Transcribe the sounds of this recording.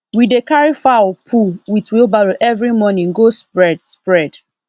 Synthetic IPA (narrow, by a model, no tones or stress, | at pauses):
widekaɹifapʰuwitwilbaɹoʔɛvɹimɔnĩŋɡospɹɛdspɹɛd